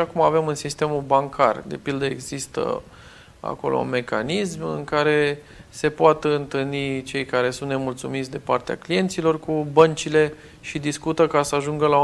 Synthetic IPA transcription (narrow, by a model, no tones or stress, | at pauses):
akumave̞mɨnsist̪e̞mubaŋkʰa̰rd̪e̞̰pild̪əe̞̰ɡzist̪ə̰ | a̰ko̞lo̰ṵnme̞ka̰nismɨ̰ŋkaɾe̞ | se̞poat̪ɨnt̪ɨlnit͡ʃe̞jkaɾe̞sunt̪ne̞mult̪sumit̪sʲd̪epart̪ea̰klije̞nt̪silo̞rkubənt͡ʃile̞ | ʃid̪iskut̪əkasəaʒuŋɡəla